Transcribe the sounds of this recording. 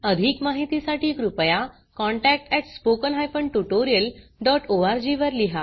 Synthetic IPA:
əd̪ʱiːkmaɦit̪isaʈʰiːkɾupja | kɔ̃ɳʈæk̚ʈɛʈspokənɦajpəɳʈuʈoɾijəlɖɔʈʰoaɾd͡ʑiʋəɾliɦa

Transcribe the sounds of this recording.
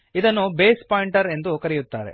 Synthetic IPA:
id̪ɐnːubeːspaːjiɳʈɐɾe̞nd̪ukɐɾijut̪ːaːɾḛ

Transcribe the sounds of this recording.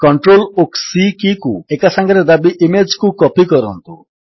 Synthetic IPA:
kɔɳʈɾoloksikikuekasaŋɡɔɾed̪abiʔimed͡ʒkukɔpikɔɾɔnt̪ṵ

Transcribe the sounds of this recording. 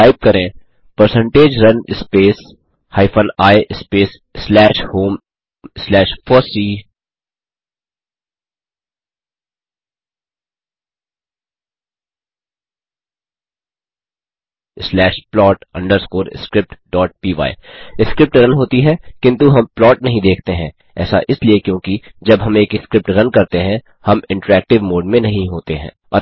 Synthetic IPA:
aːɪp̚kɐɾẽː | pəɾsə̃ɳʈeːd͡ʒɾɐnɪspeːs | haːɪpʰənaːeʔɪspeːs | slɛːʃhoːm | slɛːʃfʰɔːsiː | slɛːʃplɔːʈɐ̰̃ɳɖəɾskoːɾ̰skɾɪp̚ʈɖɔːʈ̚piːʋa̰ːiɪskɾɪp̚ʈɾɐnɦoːt̪iɦɛkɪ̃nt̪uɦɐmplɔːʈnɐɦĩd̪eːkʰt̪eɦɛ̃ | ɛ̰ːsa̰ʔɪsliekjõːkid͡ʒɐbɦɐmeːkɪskɾɪp̚ʈɾɐnkɐɾt̪eɦɛ̃ | hɐmɪ̃ɳʈəɾɛːk̚ʈɪʋmoːɖmẽnɐɦĩɦoːt̪eɦɛ̰̃ː | ɔ

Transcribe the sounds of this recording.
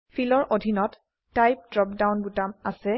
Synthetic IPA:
pʰilɔɹʔodʱinɔtː | ajp̚dɹɔp̚dawnbutamasɛ

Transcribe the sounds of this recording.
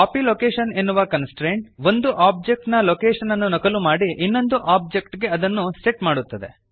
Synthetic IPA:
kaːpiloːkeːʃɐnenːuʋɐkɐnsʈɾeːɳʈ̚ʋo̞nd̪uʔaːb̚d͡ʒek̚ʈnɐlokeːʃɐnɐnːunɔkɐlumaːɽiʔinːo̞nd̪uʔaːp̚d͡ʒekʈɡe̞ɐd̪ɐnːusʈeʈmaːɽut̪ːɐd̪e̞̰

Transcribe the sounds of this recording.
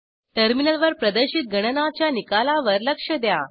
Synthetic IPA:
ʈ̪əɾminəlʋəɾpɾəd̪əɾɕit̪̚ɡʱəɽ̃ənat͡ɕjanikalaʋəɾləkʂəd̪ja

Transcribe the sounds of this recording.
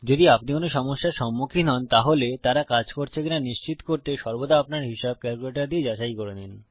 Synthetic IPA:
d͡ʑod̪iapnikonoʃɔmoʃːaɾʃɔmːukʰinɔnt̪aɦolet̪aɾakad͡ʑkoɾt͡ɕʰekinaniʃt͡ɕit̪koɾt̪eʃɔɾbod̪aapnaɾɦiʃab̚kɛɾkuleʈaɾd̪ied͡ʑaʃajkoɾenen

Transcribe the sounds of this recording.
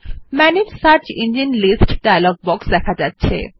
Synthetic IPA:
mɛneɾsaɾt͡ɕind͡ʑinlisʈɖajalɔɡ̚bɔksd̪ɛkʰad͡ʑatːɕʰḛ

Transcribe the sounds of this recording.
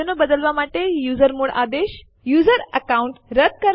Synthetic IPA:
ənəbəd̪əlʋamaʈejuzəɾmuɭʔa̰d̪eɕ | juːd͡zəɾəkauɳʈɾəd̪̚kəɾ

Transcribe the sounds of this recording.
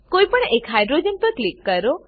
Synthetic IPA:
kojpəɳekɦajɖɾod͡ʒenpəklikːəɾo

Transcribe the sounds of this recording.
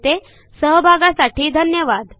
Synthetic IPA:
t̪e | səɦbʱaɡasaʈiːd̪ʱənjəʋad̪

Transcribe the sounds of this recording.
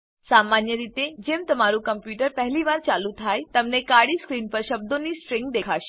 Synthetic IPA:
samanjəɾit̪ed͡ʒemt̪əmaɾũkəmpjuʈəɾpɛɦliʋaːɾt͡ʃalũt̪ʰajt̪əmnekaɽiskɾiːnpəɾʃəb̚d̪onisʈɾɪ̃ŋɡd̪eːkʰaʃe̥

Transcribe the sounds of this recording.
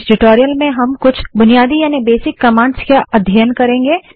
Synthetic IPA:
ɖɪʈoːɾijəlmẽɦɐmkʊt͡ʃʰbʊnijaːd̪ijaːnibeːsɪkːɐmãːɳɖskaɐd̪ʱjəjənkɐɾẽːŋɡeː

